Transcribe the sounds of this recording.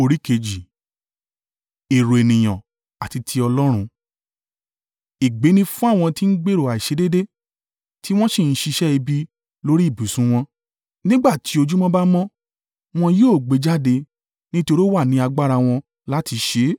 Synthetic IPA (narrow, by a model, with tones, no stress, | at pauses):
o˧ɾi˦ke˧d͡ʒi˨ | e˨ɾo˨e˨nĩ˨j̃ɔ̰̃˨ | a˨ti˧tʰi˧ɔ˧lɔ˦ɾ̃ũ˧ | i˨ɡ͡be˨˦nĩ˧fũ˦a˦˨w̃ɔ̃˧ti˦n̩˦ɡ͡be˦ɾo˨a˨i˨ʃe˨˦de˦de˦ | ti˦w̃ɔ̃˦ʃi˦˨n̩˦ʃi˧ʃɛ˦i˧bi˦ | lo˦ɾi˦i˦˨bu˨˦sũ˨˦w̃ɔ̃˧ | nĩ˦ɡ͡ba˦˨ti˨˦o˧d͡ʒu˦mɔ̃˦ba˦mɔ̃˦ | w̃ɔ̃˧joː˦˨ɡ͡be˨˧˦d͡ʒa˦de˧ | nĩ˦to˧ɾi˦wa˦˨nĩ˨˦a˧ɡ͡ba˦ɾa˧w̃ɔ̃˧ | la˨˦ti˧˦ʃe˨˦